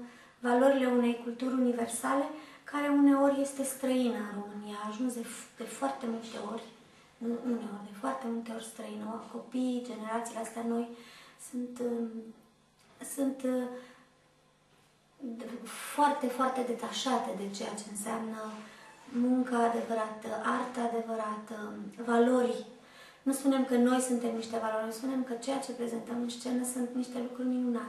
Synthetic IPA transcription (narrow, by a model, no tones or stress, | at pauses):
valoɾile̞une̞jkult̪uɾʲunive̞rsale̞kaɾe̞une̞o̞ɾʲje̞st̪e̞st̪ɾəinənro̞mɨnijaːʒunsd̪ed̪̥e̞foart̪e̞mult̪e̞o̞rʲ | ɨune̞o̞rʲd̪e̞foart̪e̞mult̪e̞o̞rʲst̪ɾəinəako̞pijd͡ʒe̞ne̞ɾat̪sileast̪eano̞jsunt̪ | sunt̪ | foart̪e̞foart̪e̞d̪e̞t̪aʃat̪ed̪e̞t͡ʃe̞jat͡ʃe̞ɨnseamnə | muŋkaːd̪e̞vəɾat̪əʔart̪əad̪e̞vəɾat̪əvalo̞ɾʲ | nuspune̞mkəno̞jsunt̪e̞mniʃt̪e̞valoɾʲspune̞mkət͡ʃe̞jat͡ʃe̞pɾe̞ze̞nt̪əmɨnst͡ʃe̞nəsunt̪niʃt̪e̞lukɾurʲniuna